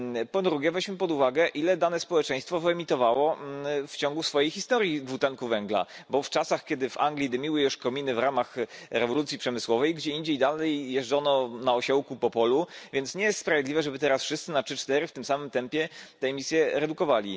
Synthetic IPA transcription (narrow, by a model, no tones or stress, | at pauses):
pɔd̪ɾuɡʲjɛvɛd͡ʑmɘpɔd̪uvaɡɛʔilɛd̪anɛspɔwɛt͡ʂɛ̃j̃st̪fɔvɛmʲit̪ɔvawɔft͡ɕɔŋɡusfɔjejxist̪ɔɾʲjiɡvut̪ɛŋkuvɛŋɡla̰bɔft͡ʂasaxkʲɛd̪ɘva̰ŋɡlʲid̪ɘmʲiwɘjuʂkɔmʲinɘvɾamaxɾɛvɔlut̪sʲjipʂɛmɘswɔvɛjɡd͡ʑɛind͡ʑejd̪alɛjːjɛʐd͡ʐɔnɔnaɔɕɛwkupɔpɔluvʲjɛnt̪sɲɛjɛst̪spɾavʲjed̪lʲivɛʐɛbɘt̪ɛɾasfʂɘst̪sɘnatʂɘt͡ʂt̪ɛɾɘft̪ɘmsamɘmt̪ɛmpʲjɛt̪ɛmʲisʲjɛɾɛd̪ukɔvalʲḭ